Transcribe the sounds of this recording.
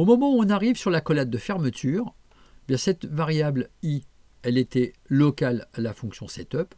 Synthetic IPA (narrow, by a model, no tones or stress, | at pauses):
omɔmɑ̃uɔ̃naʁivsyʁlakɔlat̪̚d̪əfɛʁmət̪ʰyʁ | ebjɛ̃sɛt̪vaʁjabli | ɛlet̪ɛ | lɔkalalafɔ̃ksjɔ̃sɛt̪œp